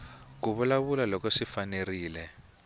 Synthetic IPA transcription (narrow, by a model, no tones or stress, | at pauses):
k̬uβulaβulalɔkɔʂifaneriːlɛ